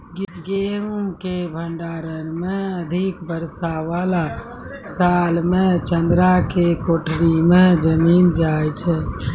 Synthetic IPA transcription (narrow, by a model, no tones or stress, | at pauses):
ɡiɡeumkebʱəɳɖaɾənmeəd̪ʱikbəɾsaʋala | salmet͡ʃənd̪ɾakekoʈʰɾimẽd͡ʒəmind͡ʒaɛt͡ʃʰɛ